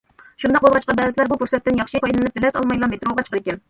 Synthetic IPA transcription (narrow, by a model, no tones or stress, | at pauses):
ʃund̪ɑq̚bolˠʁɑt͡ʃqɑbɛːzɪlæɾbukʰuɾsɛt̪ːɪnjɑχʃipʰɑjlɪnɪp̪ʰɪlɛt̪ɑ̰lˠmɑjlˠɑnbet̪ɾɑlˠʁɑt͡ʃʰqəd̪ɪkʲɛn